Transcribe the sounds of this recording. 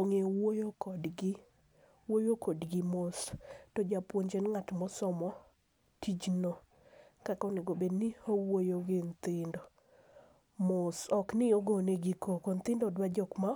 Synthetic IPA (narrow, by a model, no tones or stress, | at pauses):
oŋewojokɔdɡɪ | wojokodɡɪmostɔd͡ʒapwoɲd͡ʒenŋatmɔsɔmɔ | tʰid͡ʒno | kakɔnɪɡobedniowojoɡɪnt̪ɪndɔ | mosɔknɪoɡoneɡikʰokont̪ɪndɔdwad͡ʒɔkma